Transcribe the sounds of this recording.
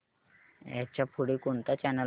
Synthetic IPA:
ja̰t͡ɕapʰuɽikunt̪at͡ɕɛnəl

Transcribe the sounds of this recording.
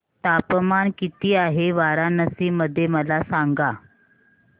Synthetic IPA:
t̪apəmankit̪iːaɦeʋaɾanəsiːmːəd̪ʱːjeməlasaŋɡa

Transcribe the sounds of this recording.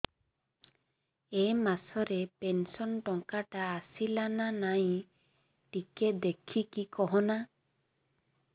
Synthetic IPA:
emasɔɾepensɔnʈɔŋkaʈaːsilananaj̃ | ʈiked̪ekʰikikɔɦɔ̃na

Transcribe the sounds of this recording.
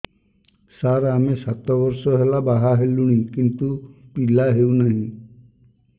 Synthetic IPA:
saɾamesat̪ɔbɔɾsɔɦelabaɦaɦeluɽ̃ikint̪upilaɦewnaɦĩ

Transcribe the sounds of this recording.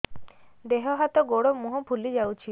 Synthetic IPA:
d̪eɦɔɦat̪oɡoɽomuɦubʱulid͡ʑawt͡ʃʰi

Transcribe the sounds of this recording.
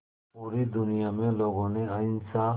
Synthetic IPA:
puːɾiːd̪ʊnɪjaːmẽːloːɡõːneaɪnsaː

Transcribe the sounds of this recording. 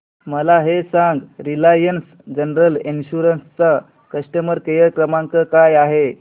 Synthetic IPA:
məlaɦesãŋɡɾilajəns | d͡ʑənɾəlinɕuɾənst͡sa | kəsʈəməɾkəjəkɾəmaŋkəkajaɦe

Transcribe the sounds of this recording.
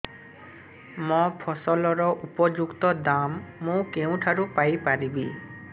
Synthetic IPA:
mɔpʰɔsɔlɔɾɔʔupɔd͡ʒukt̪ɔd̪amːũkeũʈʰaɾupajpaɾibi

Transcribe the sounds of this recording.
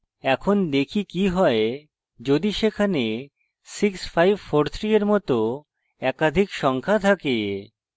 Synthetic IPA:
ɛkʰond̪ekʰikiɦɔe | d͡ʑod̪iʃekʰane | siksfajbfoɾt̪ʰɾieɾmɔt̪o | ɛkad̪ʱikʃɔŋkʰat̪ʰake

